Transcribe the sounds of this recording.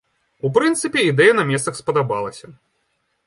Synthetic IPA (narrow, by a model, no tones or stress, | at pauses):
upɾɨnt̪sɨpʲɛid̪ɛjɐnɐmʲɛssɐxspɐd̪abalˠɐsʲɐ